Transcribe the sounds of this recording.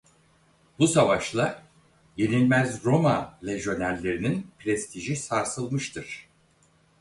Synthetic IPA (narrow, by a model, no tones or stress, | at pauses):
busavaʃlˠa | je̞nilʲmæzɾo̞malʲeʒo̞nælʲːe̞ɾininpɾɛst̪ʰiʒisaɾsɯlˠmɯʃt̪ʰɯɾ̥